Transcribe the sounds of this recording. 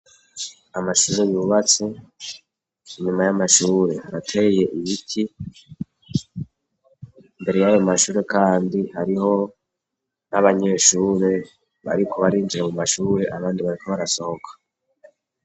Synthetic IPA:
amaʃuːɾe̞juːβat͡se̞ | iɲumajamaʃuːɾe̞haɾatʰe̞je̞ʔiβitʰi | mbe̞ɾe̞jajo̞maʃuːɾe̞kaːndihaɾiɦo̞ | naβaɲe̞ːʃuːɾe̞ | βa̰ɾikʰo̞βaɾiːnd͡ʒiɾamumaʃuːɾe̞ʔaβaːndiβaɾikʰo̞βaɾaso̞hokʰḁ

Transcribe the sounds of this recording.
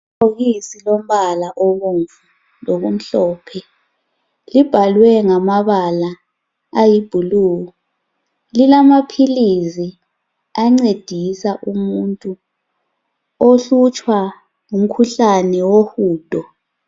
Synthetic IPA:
oɣisilom̩βalaʔoɣuɱvu | loɣum̩ɬɔːpʰɛ | lib̥ʱalwɛŋamaβala | ajib̥ʱuluːɣɔ | lilamapʰilizi | aŋ͡ǀed̥ʱisaʔumuntʼu | oɬut͡ʃʼwa | ŋum̩kʰuɬanɛwohuːd̥ʱɔ

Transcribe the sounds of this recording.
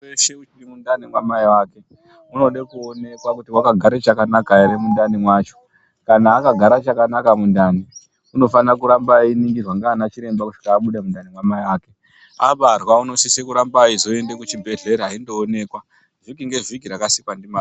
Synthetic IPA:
eʃeut͡ʃirimundanimwamaiwaːke̞ | uno̞ɗekuone̞kwakutiwakaɡʱaɾe̞t͡ʃakanakaeɾemundanimwaːt͡ʃo̞̥ | kanaːkaɡʱaɾat͡ʃakanakamundani | uno̞fanrakuɾambainiŋɡirwaŋɡaːnat͡ʃiɾe̞mbakuʂi̥kaːɓuɗamundanimwamaiwaːke̞ | aɓarwauno̞sisekuɾambaizo̞e̞ndekut͡ʃibʱe̞ɮe̞ɾeɦaindo̞ːne̞ːkwa | ʐ̥ikiŋɡe̞ʐik̬iɾakasikwandima

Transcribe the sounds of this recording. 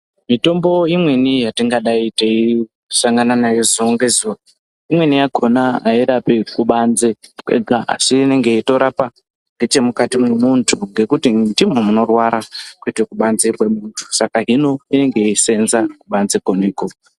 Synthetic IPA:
mito̞mbo̞imwe̞nijatiŋɡaɗaitei | saŋɡananajozoŋɡezo | imwe̞nijaɡʱo̞naaiɾapekuɓanzekwʔḛɡʱaa̰siːne̞ŋɡe̞ito̞ɾapa | ŋɡe̞t͡ʃe̞mukatimemuntʰuŋɡe̞kutindimomuno̞rwaɾakuitekuɓanzekwe̞muntʰu̥sakaɦino̞ine̞ŋɡe̞ise̞nzakuɓanzekoneːko

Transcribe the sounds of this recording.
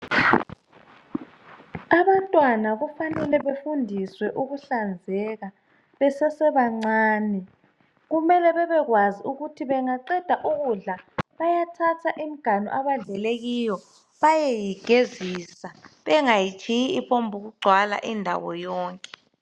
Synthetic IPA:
aβantʼwanaɣufanɛlɛβefundʱiswɛʔuɣuɬand͡zʱɛɣa | βɛsɛsɛβaŋ͡ǀaːnɛ | ɣumɛlɛβɛβɛɣwaziuɣutʰiβɛŋaǀɛd̥ʱaʔuɣuɮaβajatʰatʰaʔim̩ɡ̥ʱanɔ̰ʔaβaɮɛleɣijɔ | βajɛjiɡ̥ʱeziːsaβɛŋajit͡ʃʰʼijiipʰombʱuɣuɡ͡ǀʱwala̰ʔindʱa̰wɔ̰jɔːŋkʼɛ̥

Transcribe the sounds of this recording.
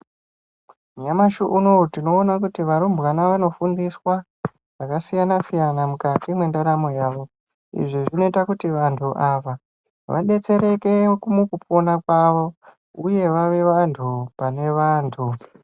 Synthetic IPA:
ɲamaʃuʔuno̞tino̞ːnakutiʋaɾumbɣanaʋano̞fundiswa | ʐ̥akasijanasijanamukatimwendaɾamojaːʋo̞ | ḭʐiʐino̞itakutiʋantʰuʔaːʋa | ʋʔa̰ɗe̞t͡se̞ɾe̞ke̞kumukupʰo̞nakwaʋo̞ | uje̞ʋaʋe̞ʋantʰupane̞ʋaːntʰu

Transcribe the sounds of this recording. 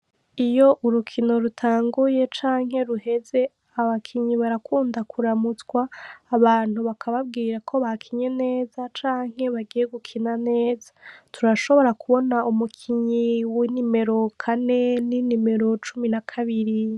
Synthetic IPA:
ijo̞ʔuɾukʰino̞ɾutʰaːŋɡuje̞t͡ʃaːŋ̥ɦe̞ɾuhe̞ze̞ | aβakʰiɲiβaɾakʰuːndakʰuɾamut͡sɡwaːβaːn̥huβakʰaβab̚ɡiːɾakʰo̞βakʰiɲe̞ne̞ːzat͡ʃaːŋ̥he̞βaɡije̞ɡukʰinane̞ːzatʰuɾaʃo̞βo̞ɾakuβo̞naumukʰiɲiwinime̞ɾo̞kʰane̞ninime̞ɾo̞t͡ʃuminakʰaβiɾi

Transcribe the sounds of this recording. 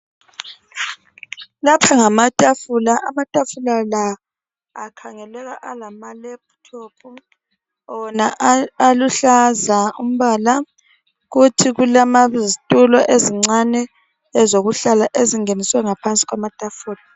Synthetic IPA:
lapʰaŋamatʼafulaʔamatʼafulalaː | kʰaŋɛlɛɣaʔalamalɛb̚tʰop̚ʰu | ɔnaaluɬazaum̩βaːla | ɣutʰiɣulamazitʼulɔʔeziŋ͡ǀanɛː | zoɣuɬalaʔeziŋeniswɛŋapʰant͡sʼi̥ɣwamatʼafuːla

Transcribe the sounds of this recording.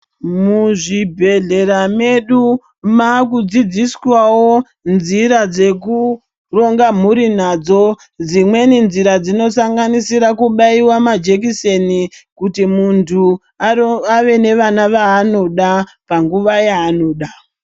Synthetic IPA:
muʐibʱe̞ɮe̞ɾame̞ɗu | makud͡zid͡ziswawo̞ | nziɾad͡ze̞ku | ro̞ŋɡam̤uɾin̤ad͡zo̞ | d͡zimwe̞ninziɾad͡zino̞saŋɡanisiɾakuɓaiwamad͡ʒe̞k̬isenikutimuntʰu | aaʋe̞ne̞ʋanaʋaːno̞ɗa | paŋɡuʋajaːno̞ːɗa

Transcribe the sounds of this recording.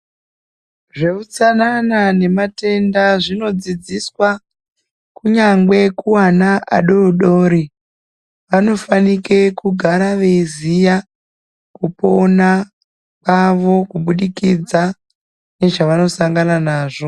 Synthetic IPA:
ʐe̞ut͡sananane̞mate̞ndaʐino̞d͡zid͡ziswa | kuɲaŋɡe̞kuwanaʔaɗo̞ɗo̞ːɾi | ʋano̞fanike̞kuɡʱaɾaʋe̞izija | kupo̞na | kaʋo̞kuɓuɗikid͡za | ne̞ʐaʋano̞saŋɡananaːʐo̞

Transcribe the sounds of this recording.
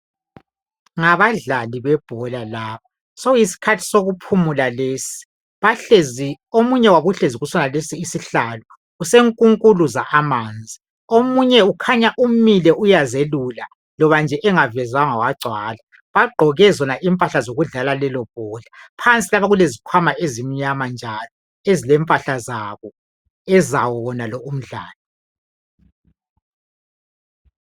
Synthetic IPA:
ŋaβaɮaliβɛb̥ʱɔlalaːβa | sɔisi̥kʰatʰi̥soɣupʰumulaleːsi̥ | βaɬezi | omuɲɛwaβuɬeziɣusɔnalesiːsiɬaːlɔ | useŋkʼuŋkʼuluzaʔamaːnd͡zʱi | omuɲɛukʰaɲaʔumilɛʔujazelula | lɔβand͡ʒʱɛʔɛŋavɛzwaŋawaɡ͡ǀʱwaːla | βaɡ͡ǃʱɔɣɛzɔnaʔimpʼaɬazoɣuɮalalɛlɔpʼɔːɮapʰant͡sʼilaβaɣulezikʰwamaʔezim̩ɲamand͡ʒʱalɔ | ezilɛmpʼaɬazaβɔ | ɛzawɔwɔnalɔum̩ɮa̰ːlɔ

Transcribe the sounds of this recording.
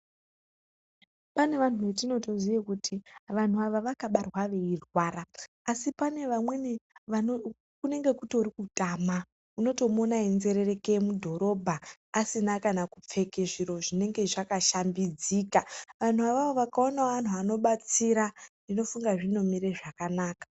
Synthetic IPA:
pane̞ʋanuʋet̬ino̞to̞zijekutʰiʋan̤uaʋaʋakaɓarwaʋe̞irwaːɾaː | sipane̞ʋamwe̞neʋano | kune̞ŋɡe̞kutoɾikutʼama | uno̞to̞monaenze̞ɾere̞kemudʱo̞ɾo̞bʱaː | sinakanakup͡fe̞keʐiɾo̞ʐine̞ŋɡe̞ʐakaʃambid͡ziːkaʋan̤uaʋaʋoʋakao̞naan̤uano̞ɓat͡siɾanino̞fuŋɡaʐino̞miɾeʐakanaːkḁ

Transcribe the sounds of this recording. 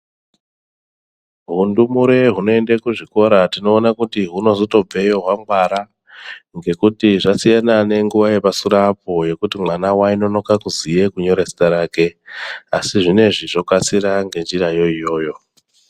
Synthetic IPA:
ɦundumuɾe̞ɦuno̞e̞ndekuʐiko̞ɾatino̞ːnakutiɦuno̞zoto̞b͡ve̞jo̞ɦwamɡwaɾa | ŋɡe̞kutiʐasijanane̞ŋɡuʋaje̞pasuɾapo̞je̞kutimwanawaino̞no̞kakuzije̞kuɲo̞ɾe̞si̥taɾaːke̞asiʐine̞ʐiʐo̞kat͡siɾaŋɡe̞nd͡ʒirajo̞ijo̞ːjo̞

